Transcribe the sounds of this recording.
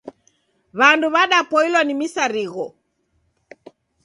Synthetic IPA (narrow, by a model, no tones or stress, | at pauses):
βanduβaɗapɔilwanimisaɾiɣɔ